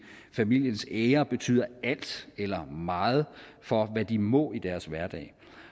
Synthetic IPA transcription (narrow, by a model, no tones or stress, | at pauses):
fæmil̰jənseːɐb̥e̝t͡sʰy̰ːð̰ˠɐæl̰d̥elɐmɑ̈ːð̞̩ˠfɒ̽ʋæd̥imɔ̽id̥æɐsʋæɐd̥ɛ̰ːɪ